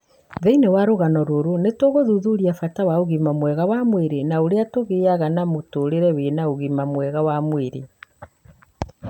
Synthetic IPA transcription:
ðeinewaɾoɣanɔɾoɾonetwoɣoðuðuɾiafatawaoɣimamwɛɣawamweɾenaoɾeatoɣeːaɣanamotoɾeɾɛwenaoɣimamwɛɣawamweɾe

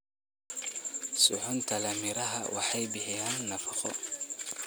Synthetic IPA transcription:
sʊħʊnt̪ʰɐlɐmɪɾɐɦɐ̰wʔɑ̰ħɑjbɪħɪjaːnːɐfɑχɔ̰

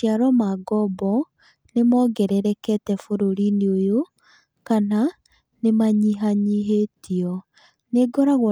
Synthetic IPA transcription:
iaɾɔmaɡɔbɔ | nemɔɡɛɾɛɾɛkɛtɛfoɾoɾineojo | kana | nemaɲiɦaɲiɦetiɔ | neɡɔɾaɣɔ

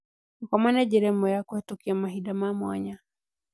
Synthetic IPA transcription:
nkwamanad͡ʒɛɾɛmɔjakwɛtɔkiamaɦiɗamamwa̰ɲa

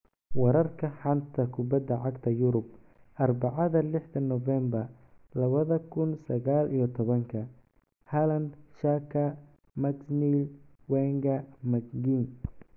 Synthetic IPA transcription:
wɑɾɐrkʰɐħɑnt̪ʰɐkʰʊbɐd̪ːɐʕɑɡt̪ʰɐjʊɾʊb̚ | ʔɐrbɑʕɑðɐlɪħd̪ɐnɔvɛmbɐr | lɐβɐðɐkʰʊnsɐɣaːlʔijɞt̪ʰɔβɐŋkʰɐ | halɐnd̪ʃakʰɐ | mɐɡniːlwɛːŋɡɐmɐɡɡiːn

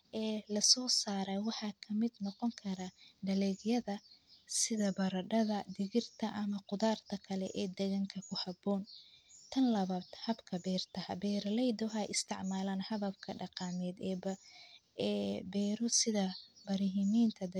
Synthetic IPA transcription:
ʔɛːlɐsɔːsaːɾɐwɑħɑːkʰɐmɪd̪nɔqɔŋkʰɐɾɐɖɐlɛːɡjɐðɐsɪðɐbɐɾɐɖɐðɐd̪ɪɣɪrt̪ʰɐʔɐmɐqʊðaːrt̪ʰɐkʰɐlɛʔɛːd̪ɛɣɐŋkʰɐkʰʊhɐbɔːnt̪ʰɐnlɐβɐd̪hɐbkʰɐbɛːrt̪ʰɐhɐbɛːɾɐlɛjd̪ɔɦajʔɪst̪ʰɪʕmaːlaːnhɐβɐbkʰɐɖɑqɑːmɛːd̪ɛːbɐː | bɛːɾɔsɪðɐbɐɾɪɦɪmiːnt̪ʰɐd̪

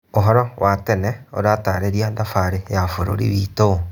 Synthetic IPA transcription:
oɦɔɾɔwʔatɛnɛo̰ɾataːɾeɾiadafaɾejafoɾo̰ɾḭβito

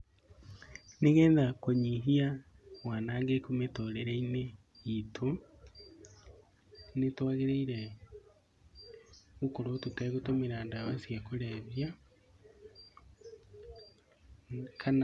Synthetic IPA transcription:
neɣɛːnðakoɲiɦia | wanaːŋɡekumetoɾeɾɛine | itʰo | netwaɣeɾeiɾɛ | ɣukoɾotutɛɣotomeɾaːndaβasjakoɾɛβja | kʰan

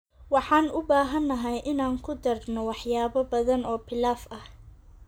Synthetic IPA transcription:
wɑħɑːnʊbaːɦɐnːɐɦɐjʔɪnaːŋkʰʊd̪ɐrnɔwɑħjaːβɐbɐðɐnɔːpʰɪlaːfɐh

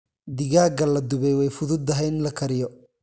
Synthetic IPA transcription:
d̪ɪɣaːɡɐlɐd̪ʊβɛjwɛjfʊðʊd̪ɐɦɛjnlɐkʰɐɾɪjɔ

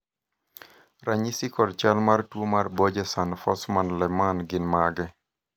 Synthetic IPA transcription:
raɲisikɔdt͡ʃalmartwomarbɔd͡ʒɛsanfɔsmanlɛmanɡɪnmaɡɛ

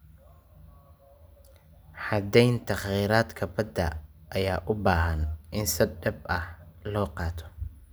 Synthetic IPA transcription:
ħɑd̪ɛjnt̪ʰɑχjiːɾaːd̪kʰɐbɐd̪ɐ̰ʔːjaːʔʊbaːɦɐnʔɪnsɪɖɛb̚ɐhlɔːqɑːt̪ʰɔ̥

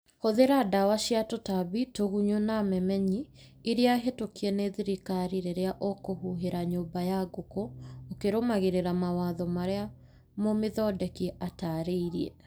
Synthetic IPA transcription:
hoðeɾadawaʃiatotaβitoɣuɲonamɛmɛɲiː | ɾeaɦetokiɛneðiɾikaɾiɾeɾeaʔokohuɦeɾaɲoːbajaɡokookeɾomaɣeɾeɾamawaːðɔmaɾea | momeðɔdɛkiataɾeiɾiɛ

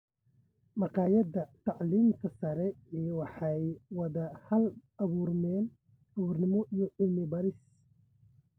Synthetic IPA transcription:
mɑqɑːjɐdɐt̪ʰɑʕliːmk̪ʰɐsɐɾɛɛjwɑħɑjwɐðɐhɐlɐβuːrmɛːn | ʔɐβuːrnɪmɔʔijɔʕɪlmɪbɐɾɪs

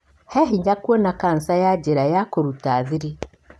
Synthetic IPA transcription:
hɛɦiɲakwonakansajaɟeɾajakoɾutaːðiɾi

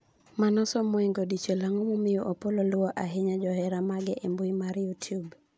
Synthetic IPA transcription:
manɔsɔmoiŋɡodit͡ʃelaŋomomɪjɔʔopololwɔʔaɦɪɲad͡ʒɔɦɛɾamaɡɛʔembuimaɾjutʰjub

